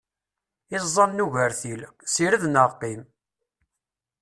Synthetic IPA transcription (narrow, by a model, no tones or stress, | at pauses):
ɪzˤːɑnnːuʝəɾθilsiɾəðnəʁqim